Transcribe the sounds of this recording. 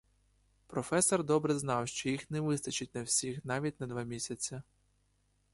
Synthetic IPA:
pɾɔfɛsɔrd̪ɔbɾɛznɑwʃt͡ʃɔjixnɛʋɪst̪ɐt͡ʃɪtʲnɐwsʲixn̪ɑʋʲit̚ʲnɐd̪ʋɑmʲisʲɐt͡sʲːɐ

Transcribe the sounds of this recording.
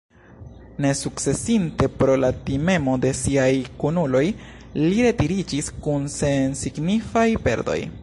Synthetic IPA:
ne̞suk̚t͡se̞sinte̞pɾo̞latime̞mo̞de̞siajkunulo̞j | liɾe̞tiɾid͡ʒiskunse̞nsiɡnifajpe̞̰ɾdo̞̰j

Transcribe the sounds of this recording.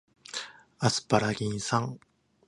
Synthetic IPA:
asɨ̥paɾaɡʲĩɰ̃sãŋ

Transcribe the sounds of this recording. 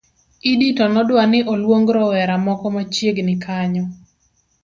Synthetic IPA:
iditɔnɔdwanɪʔɔlwoŋɡɾɔwɛɾamɔkɔmat͡ʃjeɡnɪkʰaɲɔ

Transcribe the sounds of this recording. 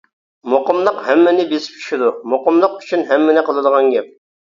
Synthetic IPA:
moqəmlˠəqhɛmːɪnɪbesɪ̥p̚t͡ʃʰy̥ʃid̪umoqəmlˠəqy̥t͡ʃʰynɦɛmːɪnɪqʰəlˠɨd̪əʁɑnɡʲɛp̚

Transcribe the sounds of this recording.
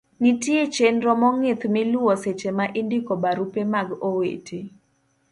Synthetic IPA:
nitjet͡ʃenɾɔmɔŋɪt̪mɪlʊɔset͡ʃemaʔindikɔbaɾupemaɡowḛtʰe

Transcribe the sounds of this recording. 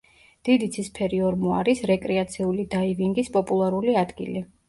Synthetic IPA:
d̪̥id̪it̪sʰispʰɛɾiɔɾmuaɾisɾɛkʼɾɛat̪sʰiulid̪aiviŋɡispʼɔpʼulˠaɾuliad̪ɡḭli

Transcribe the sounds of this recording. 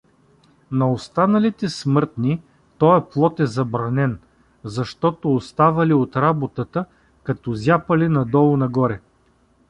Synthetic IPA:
nɐost̪anɐlit̪ɛsmɤɾt̪ni | t̪ɔjɛplˠɔt̪ɛzɐbɾɐnɛn | zɐʃt̪ɔt̪oːst̪avɐliot̪ɾabot̪ət̪ə | kɐt̪ɔzʲjapəlinɐd̪ɔlˠʊnɐɡɔɾɛ

